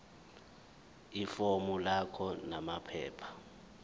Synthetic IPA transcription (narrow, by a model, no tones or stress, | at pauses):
ifɔmulakʰɔnamapʰɛ̰ːpʰḁ